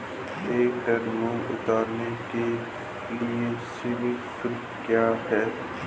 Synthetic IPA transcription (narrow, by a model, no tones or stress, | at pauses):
eːkɖɐɾmõʊ̰t̪aːɾneke | liesɪʋɪktɾɪpkjaːɦɛː